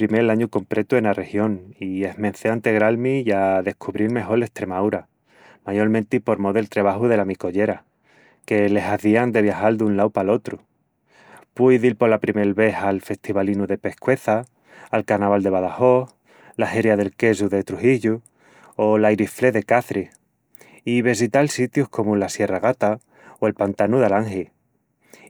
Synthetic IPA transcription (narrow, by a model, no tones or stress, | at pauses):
pɾime̞laɲuko̞mpɾe̞t̪ue̞nare̞hjo̞ŋie̞ɦmen̟θeant̪e̞ɣɾalmijaðe̞hkʰuβɾilme̞xo̞ɾle̞st̪ɾe̞mawɾa | maʝo̞ɾmẽnt̪ipo̞ɾmoðelt̪ɾeβ̞ahuðe̞lamiko̞ʝe̞ɾa | ke̞le̞saθiand̪e̞β̞jaxald̪unlawpalo̞t̪ɾu | pujðilpo̞lapɾimelβe̞halfe̞st̪iβalinuðe̞pe̞hkwe̞θaː | lkaɾnaβald̪e̞βaðaho̞h | laheɾjaðe̞lke̞suðe̞t̪ɾuhiʎu | olajɾifle̞ðe̞kaθɾih | iβesit̪alsit̪juhko̞mulasje̞raɣ̞at̪a | oe̞lpant̪anuðalaŋxi